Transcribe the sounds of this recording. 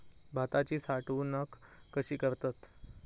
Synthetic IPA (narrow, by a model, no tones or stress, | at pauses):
bʱat̪at͡ɕiːsaʈuːnəkːəɕiːkəɾt̪at̪